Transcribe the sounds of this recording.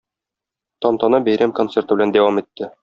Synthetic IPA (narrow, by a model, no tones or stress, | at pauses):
t̪ɒmt̪ɒnɑbæjɾæmko̞nt̪se̞rt̪ɤbɘ̆lænd̪æwɑmit̪ːɘ